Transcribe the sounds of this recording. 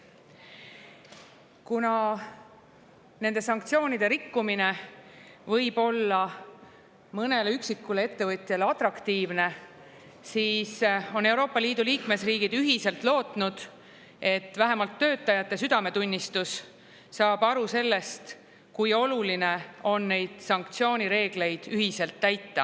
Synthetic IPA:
kunɑ | ne̞nd̪esɑŋkt̪sio̞ːnʲid̪̥e̞ɾikːumine̞ | vɤ̞jb̥o̞lːɑ | mɤne̞leyksikːulee̞t̪ːe̞vɤt̪ʲˑjɑleɑt̪rɑkt̪iːvne̞ | siːso̞ne̞wɾo̞ːpːˑɑliːd̪̥uliːkme̞sriːɡid̪̥yɦise̞lt̪lo̞ːt̪ˑnud̪̥ | e̞t̪ːˑvæɦe̞mɑlt̪ːø̞ːt̪ːˑɑjɑt̪ːˑe̞syd̪̥ɑme̞t̪unʲːist̪usː | ɑːb̥ɑɾuse̞lːe̞st̪ | kujo̞luline̞o̞nːe̞jd̪̥sɑŋk̚t̪sio̞ːnʲiɾe̞ːɡ̥le̞jd̪̥yɦise̞lt̪ːæjt̪ːɑ

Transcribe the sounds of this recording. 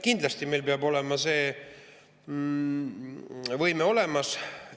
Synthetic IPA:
kind̪lɑst̪ime̞jlpeɑbo̞lemɑse̞ː | vɤjmeo̞le̞mɑs

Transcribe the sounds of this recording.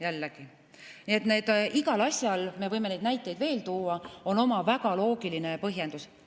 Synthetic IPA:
jælːeɡ̥i | nie̞t̪ne̞ːd̪̥iɡɑlɑsʲjɑlme̞vɤjme̞nejd̪næjt̪ːˑe̞jd̪ve̞ːlt̪uːɑo̞no̞mɑvæɡ̥ɑlo̞ːɡiline̞pɤɦje̞nd̪us

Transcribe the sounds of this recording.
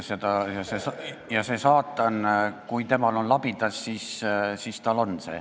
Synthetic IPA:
sed̪ɑjɑsesjɑse̞sɑːt̪ːˑɑnkujt̪e̞mɑlo̞nlɑb̥id̪̥ɑsːiːssist̪ɑlo̞nse̞̰ː

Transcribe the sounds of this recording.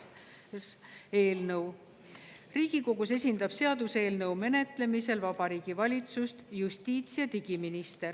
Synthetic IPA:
e̞ːlnɤw | riːɡ̥iko̞ɡuse̞sʲind̪̥ɑb̥se̞ɑd̪use̞ːlnɤwme̞ne̞t̪ˑle̞mise̞lvɑb̥ɑɾiːɡ̥ivɑlʲit̪sust̪jusʲt̪ʲiːt̪siɑt̪iɡiminist̪e̞r

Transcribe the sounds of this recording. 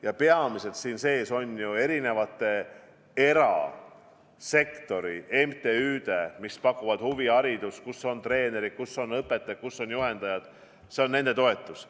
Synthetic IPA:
jɑpeɑmise̞lt̪siːnse̞ːso̞nʲjue̞ɾine̞vɑt̪ːˑe̞ | e̞ɾɑ̰ | se̞kt̪o̞ɾie̞mt̪e̞yːd̪e̞mispɑkːˑuvɑd̪̥huviɑɾid̪̥uskuso̞nt̪re̞ːne̞ɾid̪̥̚kusːo̞nɤpːˑe̞t̪ːˑet̪̚kusːo̞njuhe̞nd̪̥ɑjɑd̪̥ | seo̞nːe̞nd̪e̞t̪o̞e̞t̪ːˑus

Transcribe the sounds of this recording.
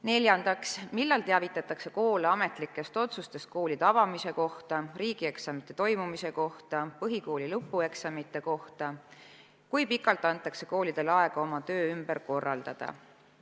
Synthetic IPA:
ne̞lʲjɑnd̪̥ɑksmilːɑlt̪eævit̪ːˑɑt̪ːˑɑkse̞ko̞ːleɑme̞t̪ˑlikːˑe̞st̪o̞t̪sust̪e̞st̪̚ko̞ːlid̪̥ɑvɑmise̞ko̞ht̪ɑriːɡ̥ie̞ksɑmit̪ːˑe̞t̪o̞jmumise̞ko̞ht̪ɑpɤɦiko̞ːlilɤpːˑue̞ksɑmit̪ːˑe̞ko̞ht̪ɑ | kujpikːˑɑlt̪ːˑɑnt̪ːˑɑkse̞̥ko̞ːlid̪̥e̞lɑe̞ɡ̥ɑo̞mɑt̪ø̞ːymb̥eɾko̞rːɑ̰ld̪̥ɑd̪̥ɑ̰

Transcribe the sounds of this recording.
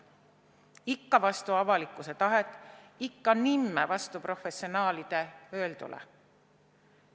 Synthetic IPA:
ikːɑvɑst̪uɑvɑlikːˑuset̪ɑɦe̞t̪ːˑikːɑnimːevɑst̪upro̞fe̞sionɑːlid̪̥e̞ø̞ːld̪ṵlʔḛ

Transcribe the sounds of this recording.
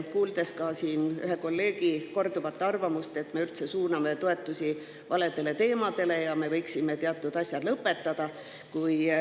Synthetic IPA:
kuːld̪̥e̞skɑsiːnyɦe̞ko̞lːe̞ːɡiko̞rd̪uvɑt̪ːˑɑrvɑmust̪e̞t̪me̞ylt̪se̞suːnɑme̞t̪o̞e̞t̪ːˑusʲi | vɑle̞d̪̥e̞le̞t̪e̞ːmɑd̪̥e̞lejɑme̞vɤ̞jksime̞t̪eɑt̪ːˑud̪̥ɑsʲjɑd̪̥lɤpːˑe̞t̪ːɑd̪̥ɑ | kuj

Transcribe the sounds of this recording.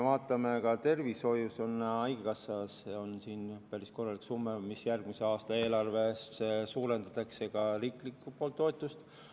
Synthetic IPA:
vɑːt̪ːˑɑmekɑt̪e̞rviso̞juso̞nɑjɡ̥ekɑsːɑseo̞nsiːnpæɾisko̞rːɑliksumːemisjærɡ̥mise̞ɑːst̪ɑe̞ːlɑrve̞ssesuːɾe̞nd̪ɑt̪ːˑɑkse̞kɑriːklikːˑupolt̪ːo̞et̪ːˑust̪

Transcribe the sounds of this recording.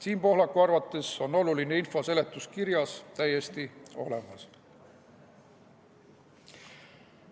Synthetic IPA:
siːnpo̞ɦlɑkːˑuɑrvɑt̪ˑːe̞so̞no̞luline̞info̞se̞le̞t̪ːˑuskiɾjɑst̪æje̞st̪io̞̰le̞̰mɑ̰s

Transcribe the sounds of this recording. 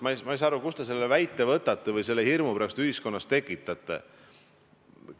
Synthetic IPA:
mɑmɑijs̬ɑɑɾukust̪e̞se̞lːevæjt̪ːˑe̞vɤt̪ːˑɑt̪ːˑevɤjse̞lːehirmupeɾɑst̪yhisko̞nːɑst̪e̞kːˑit̪ːˑɑt̪ːˑḛ

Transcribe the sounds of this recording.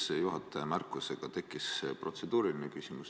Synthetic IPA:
sejuɦɑt̪ːˑemærkːˑuse̞ɡ̥ɑt̪e̞kˑːispro̞t̪se̞d̪̥uːɾilinekysʲimus

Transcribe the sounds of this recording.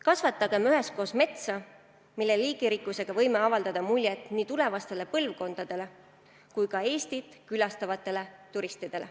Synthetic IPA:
kɑsvɑt̪ːˑɑɡ̥e̞myɦe̞sko̞ːsme̞t̪sɑ | milːe̞liːɡ̥iɾikːˑuse̞ɡ̥ɑvɤ̞jmeɑvɑld̪̥ɑd̪̥ɑmulʲjet̪ːˑniːt̪ule̞vɑst̪e̞le̞pɤlvko̞nd̪̥ɑd̪̥e̞le̞ | kujkɑe̞ːst̪it̪ˑkylɑst̪ɑvɑt̪ːˑe̞le̞t̪uɾist̪id̪̥e̞le

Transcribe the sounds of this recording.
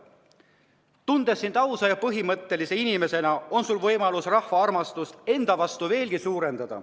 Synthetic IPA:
t̪und̪e̞sːint̪ɑwsɑjɑpɤɦimɤt̪ːe̞lise̞inime̞se̞nɑo̞nsulvɤjmɑlusrɑhvɑɑrmɑst̪ust̪e̞nd̪̥ɑvɑst̪uve̞ːlɡ̥isuːɾe̞nd̪̥ɑd̪̥ɑ̰

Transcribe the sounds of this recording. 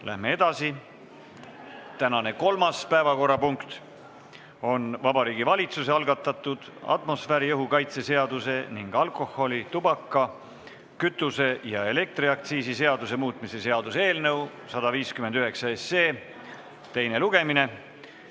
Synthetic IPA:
lʔæ̰hme̞e̞d̪̥ɑsi | t̪ænɑne̞ko̞lmɑspæevɑko̞rːɑpuŋkt̪ | o̞nvɑbɑɾiːɡ̥ivɑlʲit̪suse̞ɑlɡɑt̪ːˑɑt̪ːˑud̪̥ɑ̰t̪mo̞sfæɾijɤɦukɑjt̪se̞se̞ɑd̪̥use̞niŋɡ̥ɑlko̞ho̞lʲit̪ubɑkːˑɑ | kyt̪ːˑuse̞jɑe̞le̞k̚t̪riɑk̚t̪siːsise̞ɑd̪̥use̞muːt̪ˑmise̞se̞ɑd̪useːlnɤw | sɑd̪̥ɑviːskyme̞nd̪yɦe̞ksɑese̞ː | t̪e̞jne̞luɡ̥e̞mine̞

